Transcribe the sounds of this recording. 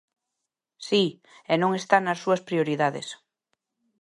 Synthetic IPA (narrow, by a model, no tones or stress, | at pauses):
si | enõŋest̪anɐsːuɐspɾioɾiðaðḛs